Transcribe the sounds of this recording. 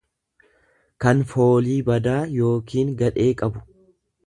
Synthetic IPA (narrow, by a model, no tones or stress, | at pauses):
kɐnfo̞ːliːbɐd̪aːjo̞ːkiːŋɡɐᶑe̞ːkʼɐbʊ̥